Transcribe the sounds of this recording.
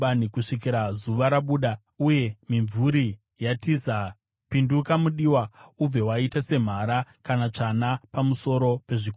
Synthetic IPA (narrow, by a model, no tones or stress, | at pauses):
anikuʂikiɾazuʋaɾaɓuɗa | uje̞miɱvuɾi | jatiza | pindukamuɗiːwaub͡vewaitase̞m̤aɾakanat͡ʂanapamuso̞ɾo̞pe̞ʐiko